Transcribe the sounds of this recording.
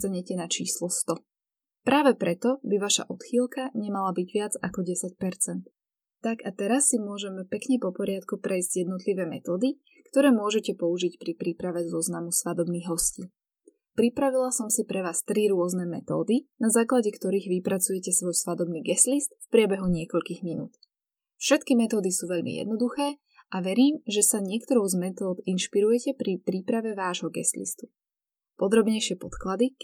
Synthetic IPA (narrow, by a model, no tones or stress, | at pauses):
t̪aɲɛcɛnat͡ʃḭːslɔst̪ɔ | pɾaːʋɛpɾɛt̪ɔbiʋaʃa̰ʔɔt̪xiːlkaɲɛmalabiɟʋɪad͡zakɔɟɛsac̚pɛɾt͡sɛnt̪ | t̪ːakat̪ɛɾasːimʊɔʒɛmpɛkɲɛpɔpɔɾɪat̪kupɾɛjzɟjɛd̪nɔt̪liʋɛːmɛ̰t̪ɔːd̪i | kt̪ɔɾɛːmʊɔʒɛcɛpɔuʒicpɾipɾipɾaʋɛzɔznamusʋad̪ɔbniɣɦɔsciː | pɾipɾaʋilasɔmsipɾɛʋaːst̪ɾiɾʊɔznɛmɛ̰t̪ɔ̰ːd̪inazaːklaɟɛkt̪ɔɾiːɣʋipɾat͡sujɛcɛsʋɔjsʋad̪ɔbniːɡɛslist̪fpɾɪɛbɛɦuɲɪɛkɔʎkiːɣminṵːt̪ | fʃɛt̪kimɛt̪ɔːd̪isuːʋɛʎmḭjɛ̰d̪̚nɔd̪uxɛː | aʋɛɾiːmʒɛsaɲɪɛkt̪ɔɾɔʊzmɛt̪ɔːd̪inʃpiɾujɛcɛpɾipɾiːpɾaʋɛʋaːʒɦɔɡɛ̰slḭst̪u̥ | pɔd̪ɾɔbɲɛjʃɪɛpɔt̪klad̪i